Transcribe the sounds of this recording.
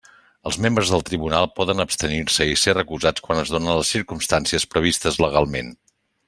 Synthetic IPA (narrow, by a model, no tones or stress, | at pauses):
əlˠzmembɾəzðəlˠt̪ɾiβunalˠpɔðənəpst̪əniɾsəiserəkuzat͡skwanəzðonənləsːiɾkumst̪ansiəspɾəβ̞ist̪əzləɣ̞alˠmen